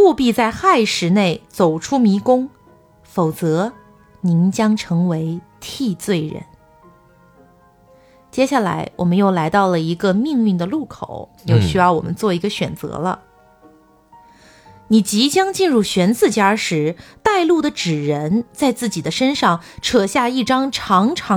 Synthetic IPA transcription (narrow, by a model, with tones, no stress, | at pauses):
pu˥˧pi˥˧t͡sa˥˧ɪxa˥˩ɪʂɻ̩˧˥ne˥˩ɪt͡so˨˩ʊʈ͡ʂʰu˥mi˧˥kʊ˥ŋ | fo˨˩ʊt͡sɤ˧˥ | ni˧˥nt͡ɕjɑ˥ŋʈ͡ʂʰɤ˧˥ŋwe˧˥ɪt̪ʰi˥˧t͡swe˥˩ɪɻə̰˧˥n | t͡ɕjɛ˥ɕa˥˩la̰˧˥ɪwʔɔ̰˨˩mə˦njo˥˩ʊla˧˥ɪt̪ɑ˥˩ʊlə˩i˧˥ɡə˧mi˥˧ŋy˥˩nd̪ə˩lu˥˩kʰo̰˨˩˦ʊ | jo˥˩ʊɕy˥jɑ˥˩ʊwɔ̰˨˩mə˦nt͡swɔ˥˩i˧˥ɡə˧ɕɥɛ˨˩nt͡sɤ̰˧˥lə̰˧ | ni˨˩t͡ɕi˧˥t͡ɕjɑ˥ŋt͡ɕi˥˧nɻu˥˩ɕɥɛ˧˥nt͡sɹ̩˥˩t͡ɕja˥ʂɻ̩˧˥t̪a˥˧ɪlu˥˩d̪ə˩ʈ͡ʂɻ̩˨˩ɻə˧˥nt͡sa˥˧ɪt͡sɹ̩˥˩t͡ɕi˨˩d̪ə˦ʂə˥nʂɑ˥˩ŋʈ͡ʂʰɤ˨˩ɕja˥˧i˥˩ʈ͡ʂɑ˥ŋʈ͡ʂʰɑ˧˥ŋʈ͡ʂʰɑ˧˥